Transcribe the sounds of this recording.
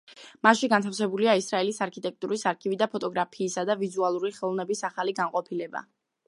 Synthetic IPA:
maʃiɡant̪ʰafsɛbuliaisɾaɛlisaɾkʰit̪ʼɛk̚t̪ʼuɾisaɾkʰivid̪apʰɔt̪ʼɔɡɾapʰiːsad̪avizualˠuɾiχɛlˠɔvnɛbisaχaliɡanqʼɔpʰilɛba̰

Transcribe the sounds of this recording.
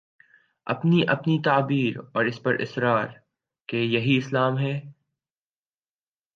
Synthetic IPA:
ɐ̰pniʔɐpnit̪aːbiːɾɔːɾɪspɐɾʔɪ̰sɾaːɾ | kejɐɦiɪslaːmɦɛː

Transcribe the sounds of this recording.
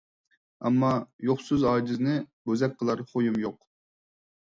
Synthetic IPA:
ɛ̰mːɑjoχsyzɑːd͡ʒɪznɪbøzɛk̚ʲqʰəlˠɑɾχojumjoq

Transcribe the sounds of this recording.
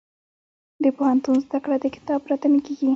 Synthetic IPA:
d̪əpohant̪unzd̪akɽad̪əkɪ̥t̪ɑbɾat̪ənakeɡi

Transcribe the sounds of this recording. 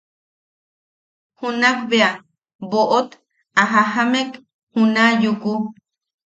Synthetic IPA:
hunakbea | boʔot̪ | aɦahamek | hunajuku

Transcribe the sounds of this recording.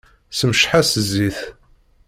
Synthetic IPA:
səməʃħasəzːiθ

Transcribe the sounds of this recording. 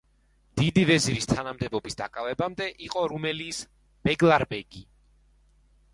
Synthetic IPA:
d̪̥id̪ivɛziɾist̪ʰanamd̪ɛbɔbisd̪a̰kʼavɛbamd̪ɛʔiqʼɔɾumɛliːs | b̥ɛɡlˠaɾbɛɡi

